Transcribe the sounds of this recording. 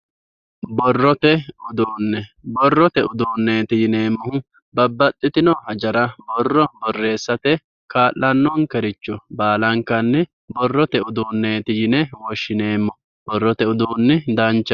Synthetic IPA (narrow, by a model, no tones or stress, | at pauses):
bɔrːɔt̪ɛʊd̪uːnːɛbɔrːɔt̪ɛʊd̪uːnːeːt̪ɪjɪne̞ːmːɔhʊ | bɐbːɐt̪ʼːɪt̪ɪnɔhɐd͡ʒɐɾɐbɔrːɔbɔrːe̞ːsːɐt̪ɛ | kaːlːɐnːɔnkɛɾɪt͡ʃːɔbaːlɐŋkːɐnːɛ | bɔrːɔt̪ɛʊd̪uːnːeːt̪ɪjɪnɛwɔʃːɪne̞ːmːɔ | bɔrːɔt̪ɛʊd̪uːnːɛd̪ɐnt͡ʃːɐ